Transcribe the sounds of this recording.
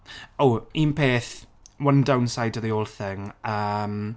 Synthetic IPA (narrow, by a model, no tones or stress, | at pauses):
oiːnpʰeːθwəndawnsajdɔðioːlˠθɪŋəm